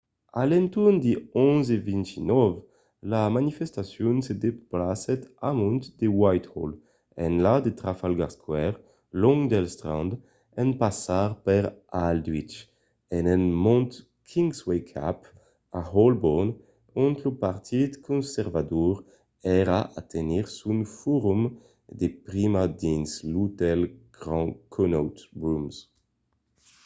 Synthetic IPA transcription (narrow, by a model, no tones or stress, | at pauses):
a̰lɛnt̪und̪iɔ̃zevĩnt̪inɔv | lamanifɛst̪asjɔnsed̪eplasɛt̪amɔ̃nt̪d̪ewajt̪hɔl | ɛ̰nlad̪et̪ʁafalɡaʁskwɛʁ | lɔ̃ŋd̪ɛlst̪ʁɑ̰̃nd̪ | ɛnpasaʁpɛʁald̪wit͡ʃ | ɛnɛnmɔ̃nt̪ | kʰiŋswekʰa̰p | ahɔlbon | ũnt̪lopaʁt̪ʰit̪kʰɔ̃nsɛʁvad̪uʁ | ɛʁaʔa̰t̪ʰeniʁsunfuʁum | d̪epʁimad̪ĩnslut̪ɛlɡ̥ʁɑ̃kʰɔnowt̪bums